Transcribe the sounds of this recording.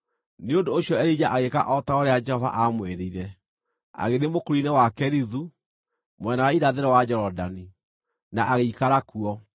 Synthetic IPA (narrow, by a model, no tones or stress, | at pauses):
neondoːɕjɔɛɾid͡ʑaʔaɣeka̰ʔɔtaoɾead͡ʒɛhɔva̰ʔamweɾeiɾɛ | a̰ɣeðemokoɾinɛwakɛɾiðu | mwɛnawaiɾaðeɾɛwad͡ʒɛɾɔdani | naʔaɣeikaɾakuɔ